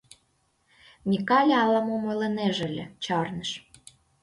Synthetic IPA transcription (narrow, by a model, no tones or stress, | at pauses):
mʲikɑlʲɑlɑmomolĕneʒĕlʲĕt͡ɕɑrnə̆ʃ